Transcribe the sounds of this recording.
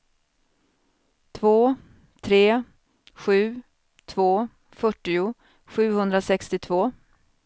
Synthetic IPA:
t̪ʰvoː | t̪ʰɾeː | ɧʉ̟ː | t̪ʰvoː | fœʈːɪʊ | ɧʉ̟ːhɵnd̪ɾasɛkst̪ɪt̪ʰvoː

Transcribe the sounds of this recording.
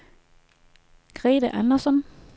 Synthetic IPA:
ɡ̥ʁeɪd̪ə̰ʔænəsɔn

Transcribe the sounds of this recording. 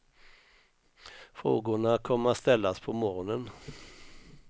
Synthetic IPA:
fɾo̰ːɡʊɳakʰɔmːəɾat̪st̪ɛlːaspʰɔmɔɾɔnən

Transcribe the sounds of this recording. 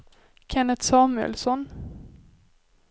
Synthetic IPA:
kʰɛnət̪sɑːmʉɛ̰lsɔn

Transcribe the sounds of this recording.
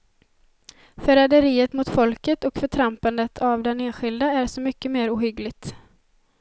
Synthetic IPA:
fœɾad̪əɾiːət̪mʊt̪fɔlkət̪ɔkfœʈʰɾampand̪ət̪ʰavd̪ɛneːnɧɪld̪aæɾʂɔmʏkːəmeːɾuːɦʏɡlɪɡ̚t̪

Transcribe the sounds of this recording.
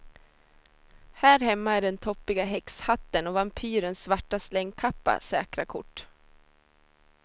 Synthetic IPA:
hæːɾɦɛmːaæɖɛnt̪ʰɔpːɪɡaɦɛkshat̪ːənɔvampʰyːɾənsvaʈːaslɛŋːkʰapːa̰sɛːkɾakʰʊ̰ʈː

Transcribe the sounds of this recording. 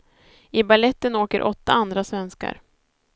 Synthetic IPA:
ɪbalɛt̪ːənoːkəɾʔɔt̪ːa̰and̪ɾasvɛnska̰ɾ

